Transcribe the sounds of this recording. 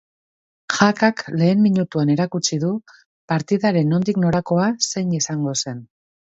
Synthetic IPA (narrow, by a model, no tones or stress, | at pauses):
ʝakakle̞ːmmiɲut̪uane̞ɾakut͡siðu | paɾt̪iðaɾe̞no̞nd̪ikno̞ɾako̞ase̞jɲisaŋɡo̞se̞n